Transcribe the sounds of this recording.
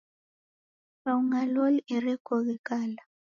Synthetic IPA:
rauŋalolɛɾɛkʰʼɔɣɛkʼaːla

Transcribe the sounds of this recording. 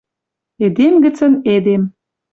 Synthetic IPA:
ed̪emɡə̆t͡sə̆ned̪em

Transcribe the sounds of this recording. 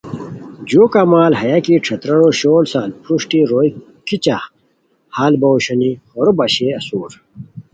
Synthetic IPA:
d͡ʑoːkamaːlɦɐjakiʈ͡ʂʰɐt̪ɾɐɽoɕoːlsaːlpɾuʂʈiɾoːj | kit͡ɕa | haːlbɐwɕɐnihoɾobɐɕeɐsuːɾ

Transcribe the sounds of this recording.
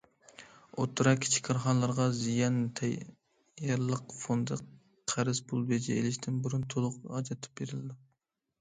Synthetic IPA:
ot̪ʰːuɾɑkʲʰi̥t͡ʃʰi̥kʲʰːɑɾχɑnlˠɑɾʁɑzijɑnt̪ʰɛ | jɑɾlˠːəqfond̪ɨ | qʰæɾɪsbulˠbed͡ʒɛelɪʃt̪ʰɪnbuɾunt̪ʰolˠʊqɑd͡ʒɑt̪ʰɨ̥p̚beɾɪlɪd̪ɪ

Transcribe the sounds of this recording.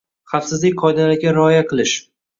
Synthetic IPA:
χɑfsɪzlɪk̚ʲqʰɒjd̪alaɾɡʲaɾɪɒjaqʰɨlˠɪʃ

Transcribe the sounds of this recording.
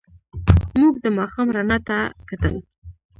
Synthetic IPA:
muɡ̚d̪əmɑxɑmɾanat̪akat̪ə̰l

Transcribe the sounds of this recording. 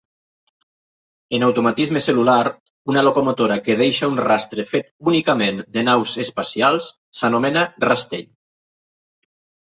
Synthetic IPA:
enawt̪omat̪izmeselulaɾ | unalokomot̪oɾakeð̞ejʃaunrast̪ɾefet̪̚unikamend̪enawzespasialˠs | sanomenarast̪ḛʎ

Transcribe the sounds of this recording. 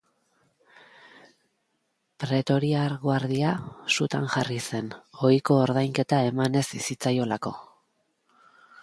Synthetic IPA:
pɾe̞t̪o̞ɾiaɾɣwaɾðiasut̪anʝarise̞no̞iko̞ːɾð̞ajŋke̞t̪ae̞mane̞sisit͡sajo̞lako̞̰

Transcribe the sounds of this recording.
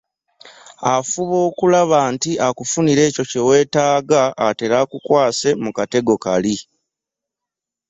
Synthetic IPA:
afuβo̞ːkulaβaːntiakufuniɾe̞ːco̞ce̞we̞ːtaːɡaːte̞ɾakukwaːse̞mukate̞ɡo̞kali

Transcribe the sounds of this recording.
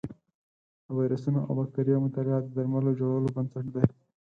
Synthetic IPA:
əwajɾasunoʔa̰wbak̚t̪aɾijamʊt̪alɪat̪̚d̪aɾmalod͡ʒoɽalobɐnsaʈd̪e

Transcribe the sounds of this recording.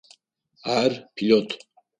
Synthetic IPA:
aɾpʰilɔt̪ʰ

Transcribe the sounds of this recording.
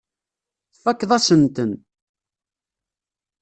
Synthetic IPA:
θfækːðˤɑsənt̪ən

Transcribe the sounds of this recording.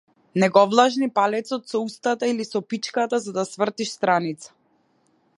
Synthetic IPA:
nɛɡɔvlˠaʒnipalɛt̪sɔt̪sɔust̪at̪ailisɔpit͡ʃkat̪azad̪asvr̩t̪iʃst̪ɾanit̪sḁ

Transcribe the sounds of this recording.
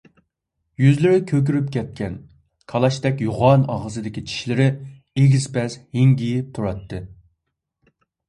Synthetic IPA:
jyzlɪɾɪkʲʰøk̬ʲyɾypkʲʰɛt̪̚kʲɛn | kʰɑlˠɑʃt̪ɛkʲjuʁɑnɑ̰ʁəzɨd̪ɪkʲit͡ʃʰi̥ʃlɪɾɪ | eɡʲiz̥pɛsheŋɡʲijip̚t̪ʰuɾɑt̪ːɨ

